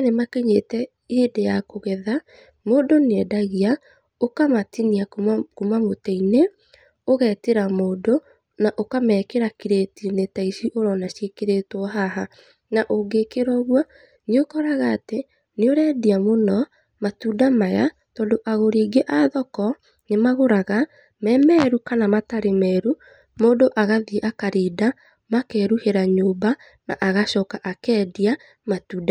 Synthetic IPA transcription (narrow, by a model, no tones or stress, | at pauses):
nemakeɲetɛ | eːdejakoɣɛða | moːdonɛdaɣia | okamatiniakumamotɛine | oɣɛːteɾamoːdo | naʔokamɛkeɾakiɾetinetaiʃiʔoɾɔnaʃekeɾetwɔɦaɦa | naʔoɡekeɾɔɣwa | neokɔɾaɣaːte | neoɾɛːdiamonɔ | matudamaja̰ | tɔːndoʔaɣoɾiːɡeʔaðɔkɔ | nemaɣoɾaɣa | mɛmɛɾukanamataɾemɛːɾu | moːdoʔaɣaðieʔakaɾiːda | makɛːɾuheɾaɲoːba | na̰ʔaɣaʃɔkaʔakɛːdia | matuːda